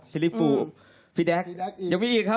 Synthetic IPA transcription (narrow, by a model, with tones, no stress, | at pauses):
si˧li˦˥pːuː˧˩ | fiː˧dɛ˦˥kja˨˩ŋmiː˧ʔiː˨˩kʰːa˦˥